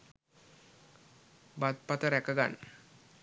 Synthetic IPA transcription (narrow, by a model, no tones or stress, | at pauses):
bat̪̚pat̪əɾækəɡa̰n